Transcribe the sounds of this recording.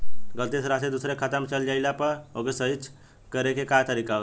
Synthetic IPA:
ɡəlt̪esɾased̪usɾekʰat̪əmt͡ʃəld͡ʒaɪlapəɾokesəɦit͡ʃʰ | kəɾekekat̪əɾikao

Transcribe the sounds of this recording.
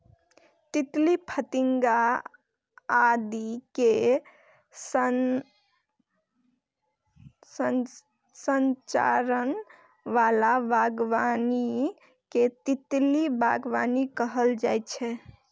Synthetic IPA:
t̪it̪lipʰət̪iŋɡa | d̪ike | s | sə | sənt͡ʃa̰ɾən | ʋalabʱaɡʋani | ket̪it̪libʱa̰ɡʋanikəɦəld͡ʒajt͡ʃʰɛ

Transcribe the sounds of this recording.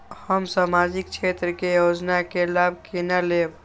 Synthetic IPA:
həmsamad͡ʒikt͡ʃʰet̪ɾəkejod͡ʒnakelabʱkenaleb

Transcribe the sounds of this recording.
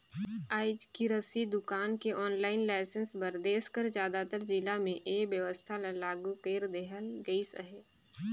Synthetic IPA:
aːɪd͡ʒkiɾəsid̪ʊkaːnkeʔɔːnlaːɪnlaːɪsənsbəɾd̪eːʃkəɾd͡ʒjaːd̪at̪əɾd͡ʒilamẽʔeːbjəʋəst̪ʰalalaːɡukeːɾd̪eɦəlɡəisə̰ɦeː

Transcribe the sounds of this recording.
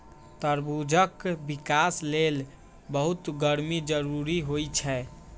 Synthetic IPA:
t̪əɾbud͡ʒʱəkbikaslel | bəɦut̪ɡəɾmid͡ʒəɾuɾiɦojt͡ʃʰɛ

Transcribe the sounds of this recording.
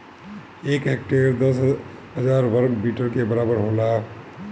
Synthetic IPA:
eːkɦek̚ʈeːɾd̪ɐsɦəzaːɾʋəɾkbiːʈəɾkebɐɾaːbəɾɦoːlaː

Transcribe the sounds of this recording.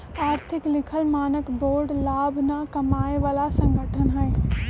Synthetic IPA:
aːɾt̪ʰɪklɪkʰəlmaːnəkboːɾɖlaːbʱnakɐmaːeʋaːlasə̃ŋɡʱəʈʰənɦɛː

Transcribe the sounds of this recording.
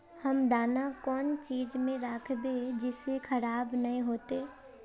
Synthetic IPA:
hɐmd̪aːnakɔːnt͡ʃiːd͡ʒmẽɾaːkʰbed͡ʒɪsekʰəɾaːbnɐɦĩɦoːt̪eː

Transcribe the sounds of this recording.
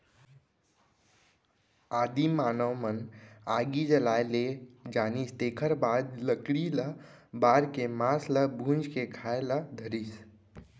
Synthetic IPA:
aːd̪imaːnəwmənaːɡid͡ʒəlaːeled͡ʒaːnist̪eːkʰəɾbad̪ləkɽiləbaːɾkemaːsləbʱũnd͡ʒkekʰaeləd̪ʱəɾis

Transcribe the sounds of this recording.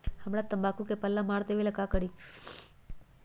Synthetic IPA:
həmɽat̪əmbakũkepəlːamaɾd̪eʋelakakəɽi

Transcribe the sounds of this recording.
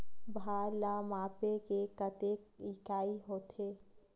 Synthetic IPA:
bʱaːlamaːpekekət̪eːk̚ikaːiɦoːt̪ʰeː

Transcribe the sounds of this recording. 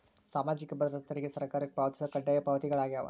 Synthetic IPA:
saːmaːd͡ʒɪkʲːɯbɐðɐɾɐt̪ːɐɾkːɯsɐɾkaːɾɯk̚pɐʋɐt̪sɐkɐɳɖɐjɐpɐʋɐt̪ɪɣɐɭaːɣɐjaːʋa̰

